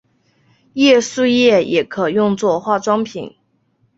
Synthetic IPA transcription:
jɛ˥˧su˥˧jɛ˥˩jʔɛ˧˥kʰɤ˨˩jʊ˥˧ŋt͡swɔ˥˧xwa˥˩ʈ͡ʂwɑ˥ŋpʰḭ˨˩˦n

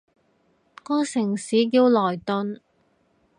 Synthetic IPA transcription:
kɔː˥sɪ˨˩ŋsiː˨˥kiː˧wlɔː˨˩jt̪ɵ˧n

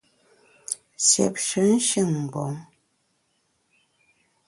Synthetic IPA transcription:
sjɛ̰˨p̚ʃə˨˦n̩˦ʃɨ˦˨ŋm̩˨bɔ˨˦ŋ

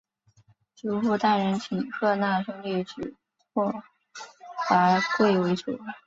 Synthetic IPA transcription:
ʈ͡ʂu˧˥fu˥˧t̪a˥˩ɻə˧˥nt͡ɕʰi˨˩ŋkʰɤ˥˧na˥˩ʂɤ˥ŋli˥˩ʈ͡ʂ̩˨˩ | pɔ˥˩ | t̪a˧˥kwe˥˩ɪwe˧˥ɪt͡ɕʰjo˨˥˦ʊ˥

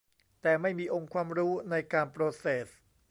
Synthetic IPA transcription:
t̪ɛː˨˩ma˥˩jmiː˧ʔo˧ŋkʰwaː˧mɾuː˦˥na˧jkaː˧npɾoː˧seː˨˩s

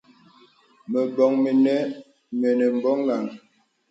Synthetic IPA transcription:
mə˨bɔ˨ŋme˨nɛ˦ | mɛ˨nɛ˨m̩˨bɔ˦ŋla˨ŋ

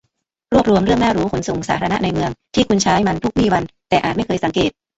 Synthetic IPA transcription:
ɾu˥˩əp̚ɾu˧əmɾɯ˥˩əŋnaː˥˩ɾuː˦˥kʰo˩˦nso˨˩ŋsa̰ː˩˦t̪ʰa˧na˦˥ʔna˧jmɯ˧əŋt̪ʰiː˥˩kʰu˧nt͡ɕʰaː˦˥jma˧nt̪ʰu˦˥k̚wiː˥˩wa˧nt̪ɛː˨˩ʔaː˨˩t̪̚ma˥˩jkʰɤː˧jsa˩˦ŋkeː˨˩t̪̚

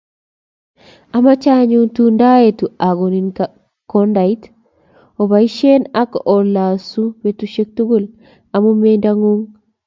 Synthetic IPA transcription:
a˨ma˦t͡ʃa˦ɲu˦tunda˦je˨tu˨a˨ɡo˨ni˨nka | ko˦nda˨it | o˨βa˨i˦ʃe˦na˦kʔo˨la˨su˦be˨tuʃe˦k̚tu˦ɡu˦l | a˨mu˦mendaŋu˦ŋ

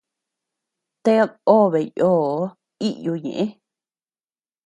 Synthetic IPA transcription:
t̪e˦˧o˦βe˨joː˦˨˦ | i˦ʔju˧ɲḛ̃˨ʔẽ˦

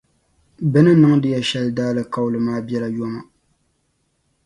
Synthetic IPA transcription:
bɨ˦nɨ˦nɨ˦ŋdɨ˦jɛ˦˨ʃɛ˦ldaː˦lɨ˦˨ka˦wlɨ˨maː˦bɛ˦la˨jɔ˦ma˨

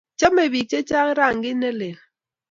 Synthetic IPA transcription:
t͡ʃe˦me˨bi˨t͡ʃe˦t͡ʃa˦ŋ˦ɾa˦˨ŋ̩˨ɡi˦ne˦le˨

